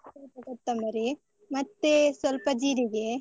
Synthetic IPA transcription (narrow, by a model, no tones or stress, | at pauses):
sɐlpɐɡɐt̪ːɐmnɐɾi | mɐt̪ːesʋɐlpɐd͡ʒiːɾiɡe